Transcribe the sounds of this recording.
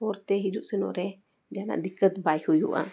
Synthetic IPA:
oɾt̪eɦid͡ʒuʔsɨnõ̰ʔɾe | d͡ʒana̰ʔd̪ikət̪bajhujṵʔa̰

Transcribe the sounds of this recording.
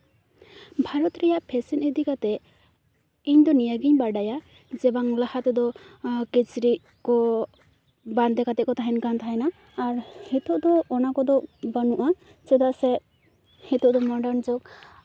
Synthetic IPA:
bʱaɾɔt̪ɾɛjaʔpʰɛsɛnɛd̪ikat̪ɛ | iɲd̪ɔnijaɡiɲbaɖaja | d͡ʒɛbaŋlahat̪ɛd̪ɔkɛt͡ʃɾiʔ | kɔ | band̪ɛkat̪ɛt̚kɔt̪aɦɛnkant̪ʰaɦɛnaː | ɾhɛt̪ɔʔd̪ɔːnakɔd̪ɔbanuʔa | t͡ʃɛd̪asɛ | hɛt̪ɔʔd̪ɔmɔɖəɾnd͡ʒok

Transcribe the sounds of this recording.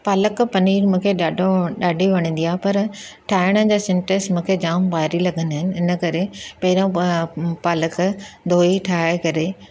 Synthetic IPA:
paːləkpɐniːɾmũːkʰeɗaɖoɗaːɖʱiʋɐɽ̃ə̃nd̪ijaːɦpɐɾ | ʈʰaːɪɽ̃ə̃d͡ʑaːsɪ̃ɳʈəsmũːkʰed͡ʑaːmbaːɦɾilɐɡʱə̃nd̪aɦɪnɪ̆ɪnəkɐɾepɐɦɪɾõpaːləkd̪ʱoːiʈʰaːekɐɾe

